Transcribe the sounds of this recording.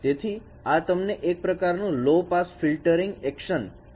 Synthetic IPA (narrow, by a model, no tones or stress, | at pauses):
t̪et̪ʰi | at̪əmneʔek̚pɾəkaɾnũlopasfilʈəɾĩŋɡɛkʃən